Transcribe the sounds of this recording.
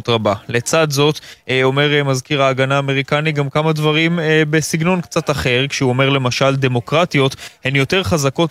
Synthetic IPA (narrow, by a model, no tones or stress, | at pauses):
t̪ʁabale̞t͡sad̪zo̞t̪o̞me̞ʁemazkiʁaːɡanaːme̞ʁikaniɡamkamad̪vaʁimbesiɡno̞nkt͡sat̪aχe̞ʁkʃeuo̞me̞ʁle̞maʃald̪e̞mo̞kʁat̪ijo̞t̪he̞njo̞te̞ʁχazako̞t